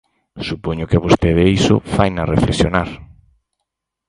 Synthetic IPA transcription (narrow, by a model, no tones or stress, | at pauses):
supoɲʊkɪaβost̪eðeisʊ̰fajnɐrefleksjonaɾ